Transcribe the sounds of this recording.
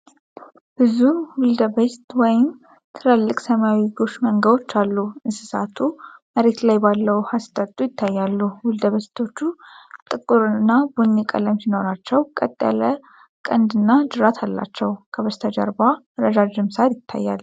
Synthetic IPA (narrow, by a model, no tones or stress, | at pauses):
b̥ɨzumwʊld̪əbəst̪wɔjɪm | t̪ʰɨləlːɨkʼsəmawiɡo̞ʃməŋɡəβo̞t͡ʃːalːuɨnsɨsat̪ʰuməɾe̞t̪lajbalːəwhast̪ʼət̪ʼːujɪt̪ʰːajːalːuwʊld̪əβəst̪ʰo̞t͡ʃːut̪ʼɨkʼːuɾɨɨnːabunːikʼə̰ləmsino̞ɾat͡ʃːɛwkʼət̪ʼːə̰lə | kʼənd̪ɨnːad͡ʒɨɾat̪ʰalːa̰t͡ʃːɛwkʰəβəst̪ʰəd͡ʒə̰ɾba | ɾəd͡ʒad͡ʒɨmsat̪jɪt̪ʰːa̰jːa̰l